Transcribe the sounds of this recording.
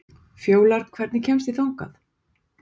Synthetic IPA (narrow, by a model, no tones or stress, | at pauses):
fjoːwlaɾ̥t̪kʰvɛɾt̪nɪcʰɛmst̪iθawŋka̰θ